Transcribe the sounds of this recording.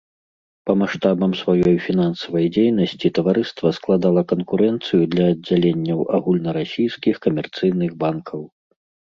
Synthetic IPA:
pɐmaʂt̪abɐmsvajɔjfʲin̪ansɐvɐjd͡zʲejnɐsʲt͡sʲit̪ɐvaɾɨst̪vɐsklˠad̪alˠɐkɐnkuɾɛnt̪sɨjud̪lʲɐːd͡zʲːalʲenʲːɐwʔa̰ɣulʲnɐɾasʲijskʲixkɐmʲɛrt̪sɨjn̪ɨɣbankʰɐw

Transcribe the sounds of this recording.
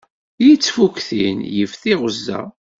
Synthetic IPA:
jit͡sːfukθinjəfθiʁəzːæ̰

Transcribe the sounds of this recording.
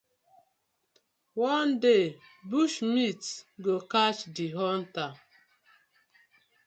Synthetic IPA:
wande | buʃmitɡokat͡ʃdiɦɔn̩ta

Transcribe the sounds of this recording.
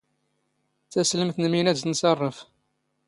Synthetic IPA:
θæsləmθnəminæznsɑrˤːəf

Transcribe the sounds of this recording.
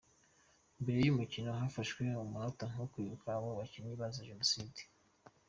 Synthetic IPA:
mbe̞ɾe̞jumicinoɦafaʃwe̞umuhotoŋokwiːβukaβoβaciɲiβazaʒenosiːdi̥

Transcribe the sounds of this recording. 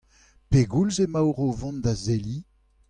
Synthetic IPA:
peɡulzemawʁovɔ̃nd̪azeli

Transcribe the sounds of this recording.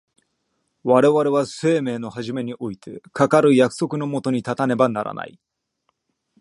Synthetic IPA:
βaɾe̞βaɾe̞βase̞ːme̞ːno̞haʑime̞ɲ̟iʔo̞it̪ʰe̞kakaɾɯ̟jakɯ̟̥so̞kɯ̟no̞mo̞t̪o̞ɲ̟it̪at̪ane̞banaɾʔa̰na̰ḭ

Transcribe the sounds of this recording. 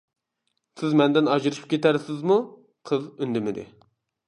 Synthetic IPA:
sɪzmɛnd̪ɪnɑd͡ʒɨɾɨʃʰɨ̥p̚kʲʰet̪æɾsɪzmu | qʰəzynd̪ɪmɪd̪ɪ̰

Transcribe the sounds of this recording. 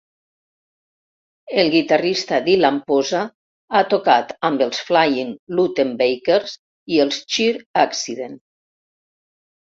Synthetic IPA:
elˠɣit̪arist̪aðilampoza | at̪okat̪ambəlˠsflajiŋlut̪embejkeɾz | ielˠst͡ʃiɾaksiðen

